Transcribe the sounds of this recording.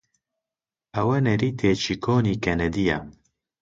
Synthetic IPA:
ɐwɐnɛɾiːt̪ʰeːt͡ʃʰikʰoːniːkɛnɛd̪ija

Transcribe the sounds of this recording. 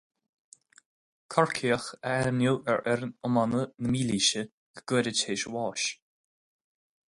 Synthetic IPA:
kʰɔɹkʰiəxəɛɹnuːʔɛɹʔɛɾnɔmanənəmiːliːʃə | ɡ̥əɡ̥əːɾətʰeːʃəwɔːʃ

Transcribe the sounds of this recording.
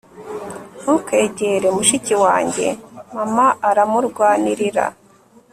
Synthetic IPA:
nuke̞ːɟeɾemuʃiciwaːɲɟe̞̰mamaːɾamuɾɡwaːniɾiɾa̰

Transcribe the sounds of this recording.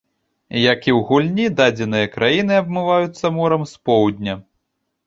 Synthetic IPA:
jakʲiwɣulʲnʲid̪ad͡zʲɛnɨjɐkɾʔajinɨɐbmɨvajut̪sːɐmɔɾɐmspɔwd̪ʲnʲɐ

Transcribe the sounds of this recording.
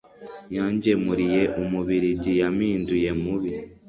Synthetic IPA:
jaːɲɟe̞muɾije̞ʔumuβiɾiɟijamiːnduje̞muβi

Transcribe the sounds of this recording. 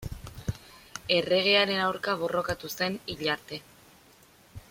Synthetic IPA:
e̞re̞ɣ̞e̞aɾe̞nawɾkaβo̞ro̞kat̪use̞niʎaɾt̪e̞

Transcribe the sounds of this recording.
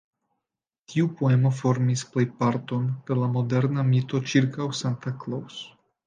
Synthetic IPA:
tʰiupoe̞mo̞f̬o̞ɾmisplejpaɾt̪o̞npe̞ɾlamo̞de̞ɾnamit̪o̞t͡ʃiɾkawsant̪aklaws

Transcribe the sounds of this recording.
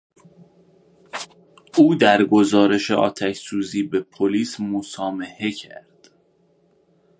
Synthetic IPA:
uːd̪æɾɡo̞zɒːɾe̞ʃḛʔɒ̰ːt̪ʰæcsuːziːbe̞pʰoliːsmosɒːmehe̞cʰæ̰ɾd̪̥

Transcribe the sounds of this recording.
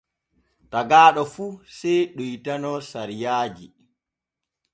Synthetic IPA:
taɡaːɗɔfusɛjɗujtanɔsaɾijaːd͡ʒḭ

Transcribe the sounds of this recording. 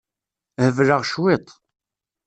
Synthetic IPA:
həvləʁʃwɪt̪ˤ

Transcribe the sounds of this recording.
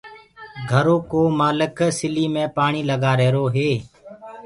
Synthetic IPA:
ɡʱəɾoːkoːmaːlɪksɪliːmẽːpaːɳiːləɠaːɾɛːɾoːɦeː

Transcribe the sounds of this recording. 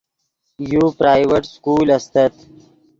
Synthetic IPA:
jupɾaːjweʈskuːlɐst̪ɐt̪

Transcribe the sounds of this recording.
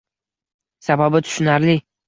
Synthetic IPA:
sababɪt̪ʰʊ̥ʃʊnaɾlɪ

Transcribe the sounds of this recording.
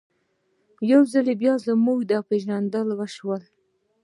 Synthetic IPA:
jawzalebjɑzəmuwd̪ɑpeʒnand̪əlwaʃwəl

